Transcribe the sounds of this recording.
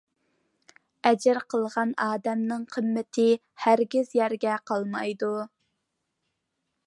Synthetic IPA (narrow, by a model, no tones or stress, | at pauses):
ɛd͡ʒɪɾqʰəlˠʁɑnɑːd̪ɛmnɨŋqʰəmːɪt̪ʰɪ | hæɾɡʲizjæɾɡʲɛqʰɑlˠmɑjd̪u